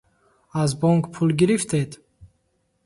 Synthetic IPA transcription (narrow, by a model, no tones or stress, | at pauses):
azbɔŋkpʰulɡiɾift̪ʰed̪